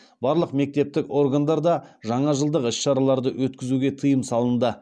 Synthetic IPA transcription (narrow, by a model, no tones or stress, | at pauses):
bɑɾlˠəqme̞k̚t̪e̞p̚t̪ɪko̞rɡand̪ɑɾd̪ɑʒɑɴɑʒəlˠd̪əqɪsʃɑɾɑlˠɑɾd̪əwɵt̪kʲɪzuɡʲe̞t̪ʰəjəmsɑlˠənd̪ə